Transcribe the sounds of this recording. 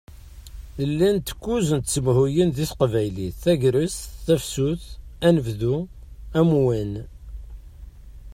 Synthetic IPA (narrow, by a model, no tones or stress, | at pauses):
ləlːænt̪ə̥kːuzənt̪t͡sːəmhujənðiθqvæjliθæʝɾəsθæfsuθænəvðuæmwin